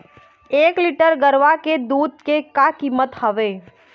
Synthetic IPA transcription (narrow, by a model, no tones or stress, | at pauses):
eːkliʈəɾɡəɾʋaked̪uːd̪̚kekakiːmət̪həʋeː